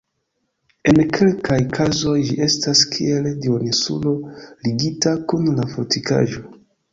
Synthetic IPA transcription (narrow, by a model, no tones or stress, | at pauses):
e̞nkʰe̞lkʰajkʰazo̞jd͡ʒḭʔe̞staskʰḭe̞ldionisṵlo̞liɡitakunlafotʰika̰ʒo̞